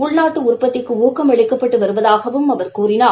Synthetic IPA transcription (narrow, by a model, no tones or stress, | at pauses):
ʊɭnaːʈːɯʊɾpːɐt̪ːɪkːɯuːkɐmɐɭɪkːɐpːɐʈːɯʋɐɾɯʋɐðaːɣɐʋɯmɐʋɐɾkuːɾɪnaː